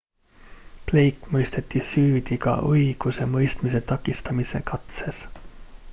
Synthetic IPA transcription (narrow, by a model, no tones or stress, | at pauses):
ple̞jkːˑmɤjst̪e̞t̪ːisyːd̪̥iɡ̥ɑ̰ʔɤjɡ̥use̞mɤjst̪mise̞t̪ɑkˑːist̪ɑmise̞̰kɑt̪se̞s